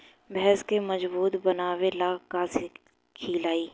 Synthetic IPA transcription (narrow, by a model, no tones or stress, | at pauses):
bɛɦskemɐd͡ʒbuːt̪bɐnaːwelaːkaːzi | kʰiːlaːiː